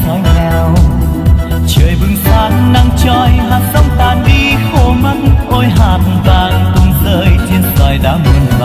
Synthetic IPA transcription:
nɔ˨˦jɲa˧˩w | t͡ɕəː˨˩jvɨ˧ŋfaː˧˦t̚na˧ŋt͡ɕɔ˧˩jɦaː˨˩sə˧˦wŋ͡mt̪aː˨˩nɗi˧xo˧˩ma˧˥t̚ʔo˧jɦaː˨˩t̚vaː˧˩nk̪ʊ˧˩ŋ͡mzəː˧˦jt͡ɕe˧nza˨˩jɗa̰ː˧˦mi˨˩nva˧˦

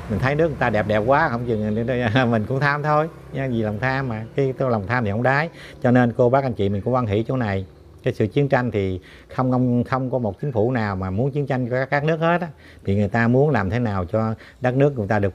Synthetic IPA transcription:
mi̟˨˩t̪ʰjnɨ˦˥ək̚ŋː˨˩t̪aː˧ɗɛ˨˩p̚ɗɛ˨˩p̚kwaː˨˦xə˧wŋ͡mt͡ɕɨ˨˩˨mï˨˩ŋ̟kʊ̰˧˥ŋ͡mt̪ʰaː˧mt̪ʰo˧j | ɲ˧˦zi˨˩lwŋ͡mt̪ʰaː˧mːaː˨˩kaː˨˦jt̪la˨˩wŋ͡mt̪ʰaː˧mt̪i˨hə̰˧˦ŋ͡mɗaː˨˦jt͡ɕɔ˧ne˧nko˧ɓaː˦˥k̚a˧jnt͡ɕḭ˧˨mi̟˨˩kʊ̰˧˥ŋ͡mwa˧ŋɦḭ˧˩˥t͡ɕo˨˦na˨˩j | kaː˨˦jsɨ̰˧˨t͡ɕi˨˦əŋt͡ɕa˧jŋ̟t̪ʰi˨˩ | xə˧wŋ͡mə˧wŋ͡mxə˧wŋ͡mkɔ˨˦mo˨˩t̚t͡ɕï˨˦ŋ̟fu˧˩naː˨˩wmaː˨˩mu˨˦ənt͡ɕi˨˦əŋt͡ɕa˧jŋ̟ɔ˧˩aː˦˥kːaː˦˥k̚nɨ˦˥ək̚he˦˥t̚ː | t̪ʰi˨˩ŋɨ˨˩əjt̪aː˧mu˨˦ənlaː˨˩mt̪ʰe˨˦naː˨˩wt͡ɕɔ˧ | ɗə˦˥nɨ˦˥ək̚ŋ˨˧˨jt̪aː˧ɗɨ˨˩ək̚

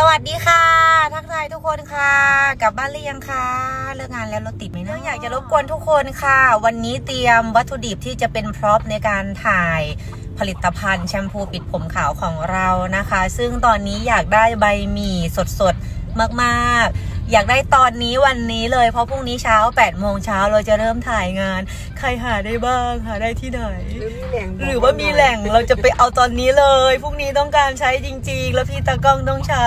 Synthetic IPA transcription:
sa˧wa˨˩t̪̚diː˧kʰa˥˩t̪ʰaː˦˥k̪̚ʰaː˧jt̪ʰu˦˥kʰːo˧nkʰa˥˩ka˨˩p̚baː˥˩nlɯ˥˩˨ja˧ŋkʰa˧˥˩ɾɯ˥˩əŋaː˧nlɛː˦˥wlo˦˧˩t̪ːi˨˩t̪̚ma˨˩nɯ˦˥˩əjaː˨˩k̚t͡ɕa˨˩lo˦˥p̚ku˧ənt̪ʰu˦˥kʰːo˧nkʰa˥˩wa˧nːiː˦˥t̪i˧əmwa˦˥t̪ʰːu˧di˨˩p̚t̪ʰiː˥˩t͡ɕa˨˩pe˧npʰɾɔː˦˥p̚na˧jkaː˧nt̪ʰaː˨˩j | pʰa˧li˨˩t̪ːa˧pʰa˧nt͡ɕʰɛ˧mpʰuː˧pi˨˩t̪̚pʰo˩˦mkʰaː˩˦wkʰɔː˩˦ŋɾa˧wna˦˥kʰa˦˥sɯ˥˩ŋt̪ɔː˧nːiː˦˥jaː˨˩k̚daː˥˩jba˧jmiː˨˩so˨˩t̪̚so˨˩t̪̚ | maː˥˩k̚maː˥˩k̚jaː˨˩k̚daː˥˩jt̪ɔː˧nːiː˦˥wa˧nːiː˦˥lɤː˧jpʰɔ˦˥pʰuː˥˩ŋ̚niː˦˥t͡ɕʰaː˦˥wpɛː˨˩t̪̚moː˧ŋt͡ɕʰaː˦˥wɾa˧wt͡ɕa˨˩ɾɤː˥˩mt̪ʰaː˨˩jŋaː˧n | kʰa˧˩jɦaː˩daː˥˩jbaː˥˩ŋɦaː˨˩daː˥˩jt̪ʰiː˥˩na˨˩j | ɾɯː˩˦waː˥˩miː˧lɛ˨˩ŋɾa˧wt͡ɕa˨˩pa˧jʔa˧wt̪ɔː˧nːiː˦˥lɤː˧jpʰuː˥˩ŋniː˦˥t̪̬ɔ˥˩ŋkaː˧nt͡ɕʰa˦˥jt͡ɕi˧ŋt͡ɕi˧ŋlɛː˦˥pʰiː˥˩t̪aː˧kɔ˥˩ŋt̪ɔ˥˩ŋt͡ɕʰa˦˥

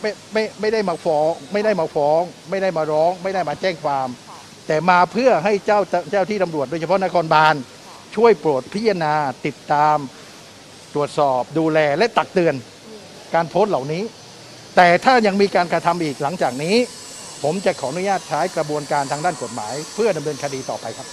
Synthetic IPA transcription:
ma˥˩ma˥˩jma˥˩jda˥˩jmaː˧fɔː˧˥ŋma˥˩jda˥˩jmaː˧fʰɔː˦˧˥ŋma˥˩jda˥˩jmaː˧ɾɔː˦˥ŋma˥˩jda˥˩jmaː˧t͡ɕɛː˥˩ŋkʰwaː˧m | t̪ɛː˨˩maː˧pʰɯ˥˩ɐɦa˥˩jt͡ɕa˥˩wt͡ɕaː˥˩wt̪iː˥˩t̪a˧mɾu˨˩ət̪̚doː˧t͡ɕʰa˧pʰɔ˦˥na˦˥kʰɔː˧nbaː˧n | t͡ɕʰu˥˩əjpɾu˨˩t̪̚pʰa˦˥a˧naː˧t̪i˨˩t̪ːaː˧m | t̪ɾu˨˩ət̪̚sɔː˨˩p̚duː˧lɛː˧lɛ˦˥ʔt̪a˨˩k̚t̪ɯ˧ən | kaː˧npʰo˦˥n̚la˨˩wniː˦˥ | t̪ɛː˨˩t̪ʰaː˥˩ɲa˧ŋmiː˧kaː˧nkɾa˧t̪ʰa˧mʔiː˨˩k̚la˩˦ŋt͡ɕaː˨˩k̚niː˦˥ | pʰo˩˦mt͡ɕa˨˩ʔkʰɔː˩˦ʔnu˦˥jaː˥˩t̪̚t͡ɕʰaː˦˥jkɾa˧bu˧ənkaː˧nt̪ʰaː˧ŋdaː˥˩nko˨˩t̪̚ma̰ː˩˦jpʰɯ˥˩ɐda˧mnɤː˧nkʰa˧diː˧t̪ɔː˨˩pa˧jkʰa˦˥p̚

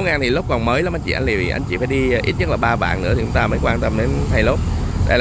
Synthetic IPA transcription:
wŋaː˨˩nt̪ʰi˨˩lo˦˥p̚kɔ˨˩nməː˨˦jla˨˦ma˧˦jt͡ɕḭ˧˨a˧jŋli˨˩vi˨˩ʔa̰˧ŋ̟t͡ɕḭ˧˩faː˧˦jɗi˧ʔi˦˥t̚ɲə˦˥laː˨˩ɓaː˧va̰ː˧˨nnɨ̰˧˥əi˨˩t͡ɕʊ˨˦ŋ͡mt̪aː˧məː˨˦jkwaː˧nt̪ə˧mɗe˨˦nɦa˧jlo˦˥p̚t̪a̰ː˧˨jl

